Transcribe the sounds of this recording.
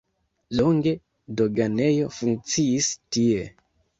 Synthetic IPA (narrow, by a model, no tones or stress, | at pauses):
loŋɡe̞ | do̞ɡane̞jo̞fuŋk̚t͡siistie̞